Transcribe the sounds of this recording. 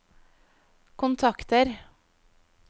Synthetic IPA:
kʰʊnt̪ʰɑkt̪əɾ

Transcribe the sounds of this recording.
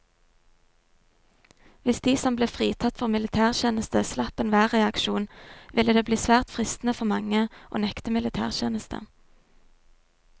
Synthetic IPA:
ʋɪsd̪iːsɔmbleːfʁiːt̪ʰɑt̪fɔʁmɪlɪt̪ʰæːʁçeːnəst̪əslɑpənʋæːʁɛɑkʃuːnʋɪləd̪eːbliːsʋæːʁt̪fʁɪst̪n̩əfɔʁmɑŋəʔo̰ːnɛkt̪əmɪlɪt̪ʰæ̰ːʁçeːnəst̪ʰə̰

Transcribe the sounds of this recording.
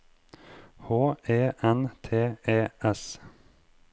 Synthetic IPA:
hoːeːʔɛnt̪ʰeːeːʔɛs

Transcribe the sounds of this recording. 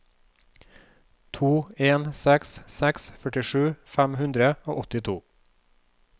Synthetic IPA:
t̪ʰuːeːnsɛkssɛksfœʈɪʃʉːfæmhʉnd̪ɾəo̰ːʔɔt̪ɪt̪ʰuː

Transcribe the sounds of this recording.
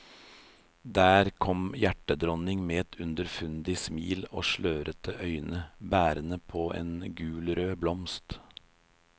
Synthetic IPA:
d̪æːɾkʰɔmjæʈəd̪ɾɔnɪŋmeːɛt̪ʰʉnd̪əɾfʉnd̪ɪsmḭːlo̰ːʃɭøːɾʔət̪ʰəʔœʏnəbæːɾənəpʰoːʔḛːnɡʉːlɾøːblɔmst̪

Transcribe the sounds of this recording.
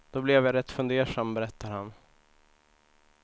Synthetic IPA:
d̪̥ɔblɛvjaɾɛt̪ːfɵnd̪eːʂambɛɾɛt̪ʰːaɾhan

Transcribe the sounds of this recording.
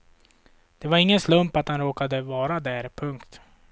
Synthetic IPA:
d̪̥ɛvaɾɪŋːənslɵmpat̪hanɾoːkad̪əvɑːɾad̪æːɾpʰɵŋkt̪

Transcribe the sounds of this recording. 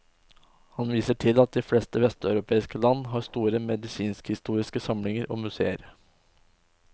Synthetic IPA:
hɑnʋiːsəʈʰɪlɑt̪̚d̪ɪflɛːst̪əʋɛst̪ɑʉɾʊpʰeːɪskəlɑnːɦɑːɾst̪uːɾəmɛd̪ɪsiːnskhɪst̪uːɾɪskəsɑmlɪŋəɾʔo̰ːmʉsḛːə̰ɾ

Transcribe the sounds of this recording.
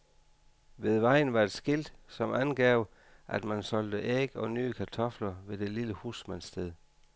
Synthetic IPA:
ʋe̝ðˠʋɑ̈ɪ̰n̩ʋɑ̈e̝d̥sɡ̥ild̥sɒ̽mʔænɡ̥ɛʊ | ʔæd̥mænsɒ̽l̰d̥əʔeɡ̥ɒ̽ny̰ːəkʰæt͡sʰɒ̽flɐʋe̝d̥e̝liləhuːsmænsd̥eðˠ

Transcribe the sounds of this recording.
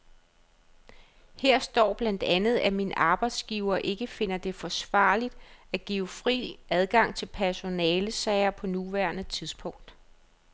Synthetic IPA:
heɐ̰sd̥ɒ̰ːb̥lænd̥ænð̩ˠæminəʔɑ̈ːb̥ɑ̈ɪd̥sɡ̥iʊɐːʔe̝ɡ̥əfe̝n̰ɐd̥e̝fɒ̽sʋɑ̈ːlid̥æɡ̥iːʊfʁḭːʔæð̞ˠɡ̥ɑ̈ŋ̰t͡sʰe̝lpʰæɐɕo̝nɛːləsɛɪɐpʰɒ̽nuʋæɐnət͡sʰiðˠsb̥ʰɔ̽ŋ̰d̥

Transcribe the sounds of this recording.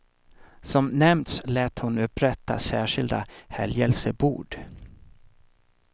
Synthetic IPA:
sɔmnɛmt̪slɛːt̪hʊnɵpɾɛt̪ʰːa̰sæːʂɪld̪a̰hɛljɛlsəbṵːɖ

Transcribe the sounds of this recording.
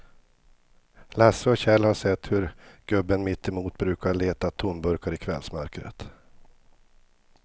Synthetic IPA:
lasəɔɕɛlhaʂɛt̪ːhɵɾɡ̥ɵbːənmɪt̪ʰːɛmuːt̪bɾʉ̟ːkaɭeːt̪at̪ʰːunbɵɾkaɾɪkʰvɛ̰lsmœɾkɾə̰t̪

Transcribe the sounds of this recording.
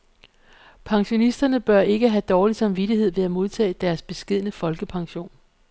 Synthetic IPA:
pʰɑ̈ŋɕo̝nisd̥ɐnəb̥ɶɐe̝ɡ̥əɦæd̥ɒːlisɑ̈mʋid̥iɦe̝ð̞̰ˠʋe̝æmo̝ðˠt͡sʰɛ̰ːd̥æɐsb̥e̝sɡ̥e̝ð̞̰ˠənəfɒ̽lɡ̥əpʰɑ̈ŋɕo̝̰ːn

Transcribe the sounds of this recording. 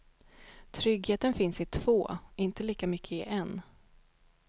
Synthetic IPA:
t̪ʰɾʏɡheːt̪ənfɪnsɪt̪ʰv̥oːɪnt̪əliːkamʏkʰːəɪʔɛn

